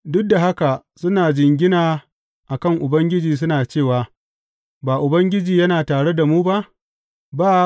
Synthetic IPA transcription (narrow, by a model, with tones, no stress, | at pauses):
dʊ˦k̚da˨ɦa˦ka˨ | sʊ˦naː˨d͡ʒɪ˨ŋɡʲɪ˦naː˨ | ʔa˨kɐ˦˨ŋʔʊ˨bɐ˦ŋɡʲɪ˦d͡ʒiː˨s̬ʊ˦naː˨t͡ʃeː˦˨waː˨ | baː˨ʔʊ˨bɐ˦ŋɡʲɪ˦d͡ʒiː˨jɐ˦naː˨taː˨ɽe˦da˨muː˦ba˦ʔ | baː˦